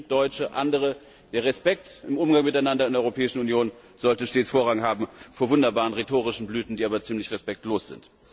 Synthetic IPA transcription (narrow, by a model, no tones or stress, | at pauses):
d̥ɔʏt͡ʃəʔandəʁ̞ə | d̥eːɐʁɛspɛk̚tɪmʔʊmɡaŋmɪtaɪnandɐɪndɛʔɔʏʁopʰɛːɪʃn̩unjoːn | z̥ɔltəʃteːt͡sfoːɐʁaɡŋɦaːbm̩foːɐvʊndɐbaːʁənʁetoːʁɪʃn̩blyːtn̩diːʔaːbɐt͡siːmlɪçʁɛspɛk̚tloːsz̥ɪ̰nt